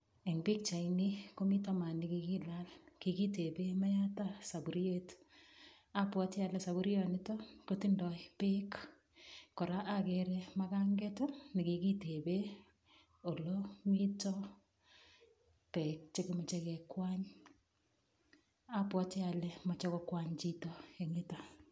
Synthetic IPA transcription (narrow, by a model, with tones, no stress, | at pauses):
ɛ˨ŋbi˦k̚t͡ʃa˨iniko˦mi˦tama˨ni˨kiki˦la˦lki˨ki˦te˨be˦ma˦ja˦ta˦sa˨bu˨ɾje˦t | a˦pwɔ˦tɪ˦a˨lɛsa˨βu˦ɾjɔ˨nɪ˦tɔ˦koti˦ndɔ˨jpe˦k | kːɔ˨ɾa˦ʔa˦keɾɛma˦ka˦ŋɡɛ˦to˦ni˨ki˨ki˦te˨be˦ | o˨loŋitɔ | pɛ˨k̚t͡ʃe˦kɪmɔ˨t͡ʃɛ˦kɛkwa˦ɲ | a˦pwɔ˦t͡ʃe˦a˨lɛ˦ma˨t͡ʃɛ˦kɔ˦kwaɲt͡ʃitɔ˦e˨ŋɪtɔ